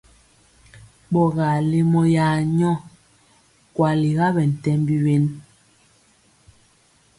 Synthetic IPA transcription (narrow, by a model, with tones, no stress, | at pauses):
ɓɔ˨ɣa˨le˦mɔ˦ja˨ɲɔ˦˨ | kwa˨li˨ɣa˦bɛ˨n̩˨tɛ˦mbi˦we˦n